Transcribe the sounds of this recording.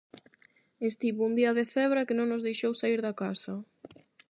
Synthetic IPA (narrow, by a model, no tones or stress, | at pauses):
est̪iβound̪iɐðeθɛβɾakenõŋnozðejʃowsaiɾðakasɐ